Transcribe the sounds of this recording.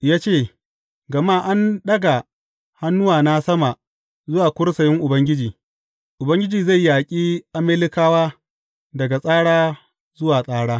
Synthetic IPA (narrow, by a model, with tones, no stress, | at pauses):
jaː˦t͡ʃeː˦˨ | ɡɐ˨maː˦ʔa˦nɗɐ˦ɡa˨ | ha˦nːʊ˦waː˨na˦sɐ˦ma˨ | zʊ˦waː˨kʷʊ˦ɽsɐ˨jɪ˦ŋʔʊ˨bɐ˦ŋɡʲɪ˦d͡ʒiː˨ | ʔʊ˨bɐ˦ŋɡʲɪ˦d͡ʒiː˨za˦˨jːaː˨kʲʼiː˦ʔa˦meː˦lɪ˦kaː˦waː˦ | dɐ˨ɡa˨sʼaː˦ɽaː˦ | zʊ˦waː˨sʼaː˦ɽaː˦